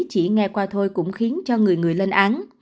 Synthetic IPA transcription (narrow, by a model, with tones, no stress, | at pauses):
t͡ɕḭ˧˩ŋɛ˧kwaː˧t̪ʰo˧jkʊ̰˧˥ŋ͡mxi˨˦ənt͡ɕɔ˧ŋɨ˨˩əjŋɨ˨˩əjle˧nʔaː˨˦n